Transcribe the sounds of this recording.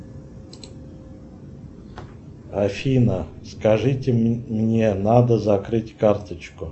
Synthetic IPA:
afʲinəskɐʐɨtʲɪmnʲenad̪əzɐkɾɨtʲkart̪ət͡ɕkʊ

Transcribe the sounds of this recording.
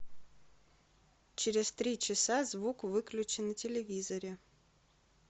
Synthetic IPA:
t͡ɕɪɾʲɪzt̪ɾʲit͡ɕɪsazvukvɨklʲʉt͡ɕɪnətʲɪlʲɪvʲizəɾʲɪ

